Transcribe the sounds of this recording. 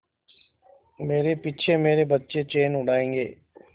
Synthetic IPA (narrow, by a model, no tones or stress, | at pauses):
meːɾepɪt͡ʃʰemeːɾebətːʃet͡ʃeːnʊɽaːẽːŋɡḛː